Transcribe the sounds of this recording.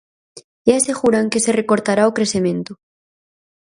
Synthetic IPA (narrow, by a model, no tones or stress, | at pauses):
aseɣuɾaŋkeserekoɾt̪aɾaokɾesemẽnt̪o